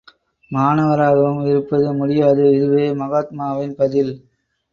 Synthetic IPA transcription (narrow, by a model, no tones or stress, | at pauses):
maːnɐʋɐɾaːɣɐʋɯmɪɾɯpːɐðɯmʊɽɪjaːðɯɪɾɯʋeːmɐɣaːt̪̚maːʋɪnpɐðɪl